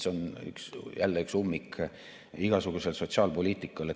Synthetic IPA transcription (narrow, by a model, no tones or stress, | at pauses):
so̞ny̰ksjʔælːeyksumːik | iɡ̥ɑsuɡ̥use̞lso̞tsɑːlpo̞lʲiːt̪ːˑikːˑɑle